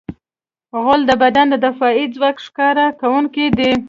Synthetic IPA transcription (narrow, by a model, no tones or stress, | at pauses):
ɣʊld̪əbad̪and̪əd̪afɑid͡zwɑkʂkɑɾakawuŋkid̪e